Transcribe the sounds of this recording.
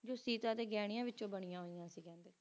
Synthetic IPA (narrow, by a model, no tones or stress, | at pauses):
d͡ʒoːsiːt̪aːt̪eːɡɛːɽ̃ijãːʋɪtːt͡ʃõːbəɳijãːɦoːijãːsiːkɛ̃ːnd̪eː